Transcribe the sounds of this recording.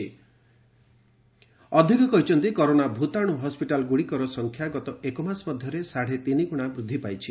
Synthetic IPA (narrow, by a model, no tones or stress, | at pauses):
ɔd̪ʱikɔkɔɦit͡ʃʰɔnt̪ikoɾonabʱut̪aɽ̃uɦɔspiʈalɡuɽikɔɾɔsɔŋkʰjaɡɔt̪ɔekɔmasmɔd̪ʱjɔɾesaɽ̤et̪inikuɽ̃abɾud̪ʱːipajt͡ʃʰi